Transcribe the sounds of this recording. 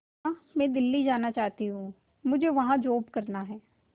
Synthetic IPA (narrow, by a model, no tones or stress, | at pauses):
amɛ̃ːd̪ɪlːid͡ʒaːnat͡ʃaːt̪iɦũː | mʊd͡ʒʱeʋɐɦãd͡ʒoːpkɐɾnaɦɛː